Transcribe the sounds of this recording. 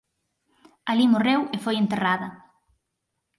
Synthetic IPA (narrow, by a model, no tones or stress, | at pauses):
alimorewefojent̪eraðɐ